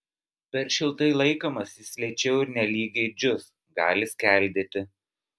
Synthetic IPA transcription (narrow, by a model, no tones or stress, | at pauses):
pʲɛɾʃʲɪlˠt̪ɐɪlˠɐɪkoːmɐsʲɪsʲlʲɛt͡ʃʲɛʊɪɾnʲɛlʲiːɡʲɛɪd͡ʒʲʊs | ɡɑ̰ːlʲɪsʲkʲæˑlʲd̪ʲet̪ʲɪ